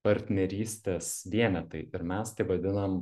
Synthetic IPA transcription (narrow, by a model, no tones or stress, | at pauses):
pɐɾʲt̪ʲnʲɛɾʲiːsʲt̪ʲeːsʋʲiɛnʲɛt̪ɐɪɪɾmʲɛst̪ɐɪʋɐd̪ʲɪnɐm